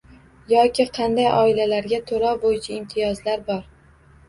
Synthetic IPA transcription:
jɒkʲɪqʰɑnd̪ajʔɒɪlalaɾɡʲat̪ʰoɾɒbojɪt͡ʃʰaɪmt̪ʰɪjɒzlaɾbɒɾ

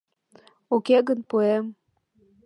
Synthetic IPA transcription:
ukeɣənpuem

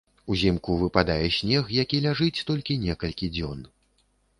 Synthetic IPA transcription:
uzʲɛmkuvɨpad̪ajɛsʲnʲɛxjakʲilʲaʐɨt͡sʲt̪ɔlʲkʲinʲɛkɐlʲkʲid͡zʲɔn

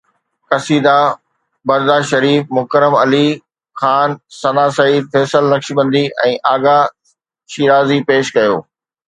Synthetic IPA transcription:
kɐsiːd̪a | bɐɾd̪aʃɐɾiːfmʊkəɾəmɐli | xaːnsɐnaːsɐiːd̪̚feːsəlːɐkʃibɐ̃nd̪iʔɛ̰̃ːʔaːɡa | ʃiːɾaːzipeːʃkɐjoː

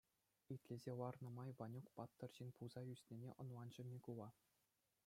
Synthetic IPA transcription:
it̪ʲlʲezʲeʋɑrnɤ̆mɑjʋɑnʲukpɑt̪ːɤ̆rʑinʲpulzɑjysʲnʲenʲḛʔŏnlˠɑnd͡ʑɘ̆nʲekulˠɑ

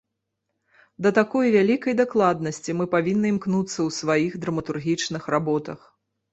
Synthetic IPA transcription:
d̪ɐt̪akɔjvʲalʲikɐjd̪aklˠad̪nɐsʲt͡sʲimɨpavʲinːɨmknut̪sːɐwsvajixd̪ɾɐmɐt̪urɣʲit͡ʂnɨxrabɔt̪ɐx

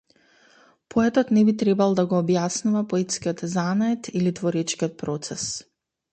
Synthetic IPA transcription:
pʰɔɛt̪ɔt̪nɛbit̪ɾɛbalˠd̪aɡɔːbjasnuvapɔɛt̪skiɔt̪zanaɛt̪ilit̪vɔɾɛt͡ʃkiɔt̪̚pɾɔt̪sɛs

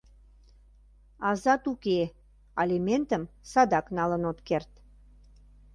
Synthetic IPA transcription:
ɑzɑt̪uke | ɑlʲimʲent̪əmsɑd̪ɑknɑlənot̪kert̪

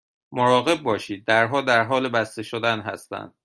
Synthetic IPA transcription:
moɾɒːɣe̞b̚ːɒːʃiːd̪̚ːæɾɦɒːd̪æɾɦɒːlebæst̪e̞ʃod̪ænɦæ̰st̪æ̰nd̪̥̚

